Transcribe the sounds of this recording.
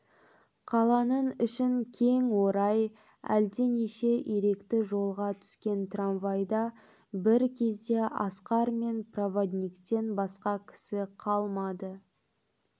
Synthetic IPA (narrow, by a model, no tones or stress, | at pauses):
qʰɑlˠɑnəɴʏʃɪŋkʲʰe̞ŋwo̞ɾɑj | æ̰ld̪e̞neʃe̞ʔjeɾe̞kt̪ɪʒo̞lˠʁɑt̪ʰʏ̥skʲe̞nt̪ranvajd̪ɑ | bɪɾkʲʰe̞zd̪e̞ʔɑsqɑɾme̞nprovod̪nʲikt̪e̞nbɑsqɑkʲʰɪ̥sɪqʰɑlˠmɑd̪ə